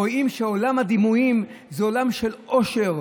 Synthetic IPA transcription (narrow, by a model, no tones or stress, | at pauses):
oimʃeolamhad̪imuimzeolamʃelo̞ʃe̞ʁ